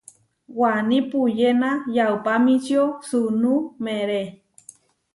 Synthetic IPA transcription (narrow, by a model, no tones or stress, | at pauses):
wanipujenajawpamit͡ʃjosunumeɾe